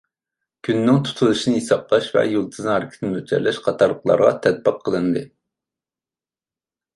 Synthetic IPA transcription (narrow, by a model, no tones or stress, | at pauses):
kʲʰynːɪŋt̪ʰu̥t̪ʰulˠɨʃinɨjisɑplˠɑʃvɛ̰jolˠt̪ʰɨznɨhɑɾɪkʲʰt̪ʰnmøt͡ʃʰɛ̰ɾlɛʃqʰɑt̪ʰɑɾlːˠəqlˠɑ̰ɾʁɑ̰t̪ʰɛt̪̚bɨqʰːəlˠɨnd̪ɨ